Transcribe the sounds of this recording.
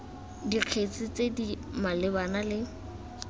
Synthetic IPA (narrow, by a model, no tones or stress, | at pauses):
diq͡χʰet͡sɪt͡sedimalɪbanalɪ